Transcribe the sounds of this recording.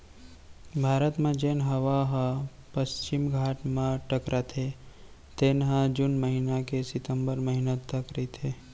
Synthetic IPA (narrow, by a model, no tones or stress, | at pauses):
bʱaːɾət̪mẽd͡ʒeːnɦɐʋaɦ | pəst͡ʃɪmɡʱaːʈmẽʈəkɾat̪ʰe | t̪eːnɦãd͡ʒunməɦinakesɪt̪ə̃mbəɾməɦinət̪ʰːəkɾəit̪ʰeː